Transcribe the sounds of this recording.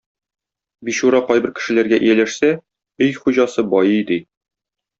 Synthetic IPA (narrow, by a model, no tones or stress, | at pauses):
biɕuɾɑqɒjbɘ̆ɾkɘ̆ʃɘ̆læɾɡæʔɘ̰̆jælæʃsæ | ɵjχuʑɑsɤbɒjɤjd̪ɘ